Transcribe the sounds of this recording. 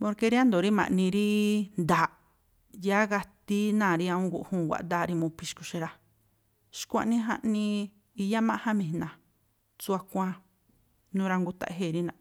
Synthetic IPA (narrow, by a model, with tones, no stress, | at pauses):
põ˧ɾke˧ɾi˦ã˦nd̪o˨ɾi˦mã̰˨ʔnĩ˧ɾi˦nd̪aː˨ | ja˦ɣa˧t̪i˦nãː˦˨ɾi˧ã˧ũ˦ɡṵ˧ʔhũː˦˨wʷa̰˨ʔnd̪aː˦˧˨ɾi˧mũ˧pi˧ʃku˧ʃe˧ɾa˧ | ʃkʷã̰˧nĩ˦ɦã̰˧ʔnĩ˧ | i˧ja˦mã˦ʔhã˦mĩ˧˨˧nã˨ | t͡su˧a˧kʷã˧ | nũː˦ɾa˧ŋɡu˧t̪a̰˨ʔɦe˦˨ɾi˦nã˧